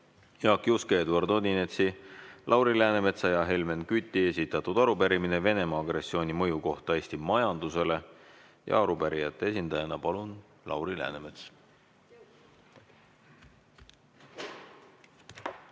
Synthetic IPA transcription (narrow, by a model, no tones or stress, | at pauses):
jɑːkːˑjuskeːd̪uɑrd̪o̞nine̞t̪silʔɑwɾilæːneme̞t̪sɑjɑɦe̞lme̞nkyt̪ːˑie̞sit̪ːˑɑt̪ːˑud̪̥ɑɾupæɾimine̞ve̞ne̞mɑːɡɾe̞sːio̞ːnʲimɤ̞juko̞ht̪ɑe̞ːsʲt̪imɑjɑnd̪̥use̞le̞ | jɑ̰ɑɾupæɾijɑt̪ːees̬ʲind̪ɑjɑnɑpɑlun | lʔɑ̰wɾilæ̰ːneme̞t̪s